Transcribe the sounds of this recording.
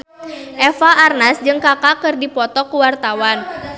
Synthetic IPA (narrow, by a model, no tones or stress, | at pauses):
ʔɛfaːrnasd͡ʒɨŋkakakɨrdipɔt̪ɔkuwart̪awan